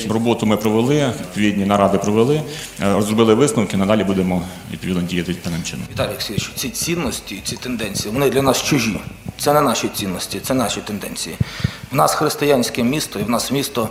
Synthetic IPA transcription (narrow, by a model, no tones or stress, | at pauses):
rɔbɔt̪ʊmɪpɾɔʋelˠɪʋʲid̪̚pɔʋʲid̪ʲnʲinɐɾɑd̪ɪpɾɔʋelˠɪ | ɾɔzɾrɔbɪlˠɪʋɪsnɐwkɪnɐd̪ɑlʲibud̪emɔ | ʋʲid̪̚pɔʋʲid̪nɔdʲijɐt̪ɪpɛnɐnt͡ʃɪ̰nʊʋʲɪt̪ɑlʲjɐksʲit͡ʃt͡sʲit͡sʲinːɔsʲtʲit͡sʲit̪end̪ɛnʲt͡sʲijiʋɔnɪd̪lʲɐnɑst͡ʃʊʒʲit̪sɛnɛnɑʃit͡sʲinːɔsʲtʲit̪sɛnɑʃit̪end̪ɛ̰nʲt͡sʲijiwnɑsxɾɪst̪ɪjanʲsʲkɪmʲist̪ɔiwnɑsmʲist̪ɔ